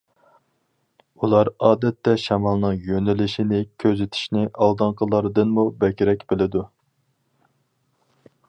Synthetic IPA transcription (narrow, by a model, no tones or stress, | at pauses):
ulˠɑɾɑːd̪ɛt̪ʰːɛʃɛmɑlˠnɨŋjønɪlɪʃinɪkʲʰøzɪt̪ʰɪ̥ʃnɪʔɑlˠd̪ɨɴqʰəlˠɑɾɨd̪ɨnmubɛkʲiɾɛkʲbɪlɪd̪u